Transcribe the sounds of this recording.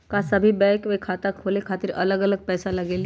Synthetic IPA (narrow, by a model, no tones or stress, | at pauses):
kasəbʱiːbɛkʋekʰat̪akʰolekʰat̪iɾə̰ləɡələɡ̚pɛːsaləɡel